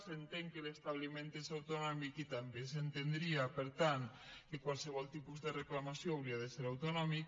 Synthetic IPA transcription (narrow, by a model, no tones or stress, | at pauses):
sent̪eŋkelest̪aβlimẽnt̪esawt̪onɔmikit̪ambesent̪end̪ɾiapeɾt̪ankekwalˠseβɔlt̪ipuzðereklamasjoawɾiaðeseɾawt̪onɔmik